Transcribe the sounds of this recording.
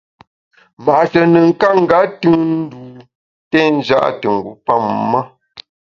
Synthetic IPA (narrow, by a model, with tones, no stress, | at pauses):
ma˨ʔʃə˨nə˨ŋ˦ka˦ŋ̩˦˨ɡa˦tʉ˦ŋn̩˦du˨ | tɛ˦n˦d͡ʒa̰˦ʔtɨ˨ŋ̩˨ɡu˨˦pa˦˨mma˦